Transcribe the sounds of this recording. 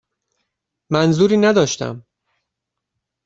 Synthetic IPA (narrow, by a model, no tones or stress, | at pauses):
mænzuːɾiːnæd̪ɒːʃt̪æ̰m